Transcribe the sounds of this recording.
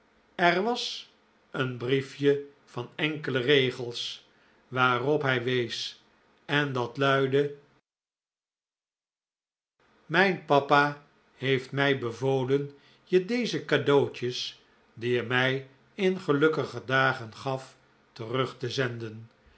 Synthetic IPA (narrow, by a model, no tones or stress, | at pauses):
ɛrʋɑs | ənbrifjə | v̥ɑnɛŋkələrejχəlˠs | ʋaːrɔpɦɛjʋejs | ɛndɑtlœɥdə | mɛjnpɑpa | hejftmɛjbəvoːlən | jədejzəkadoːt͡ʃəs | diəmɛj | ɪnχəlɵkəχədaːχənχɑf | tərɵχtəzɛndən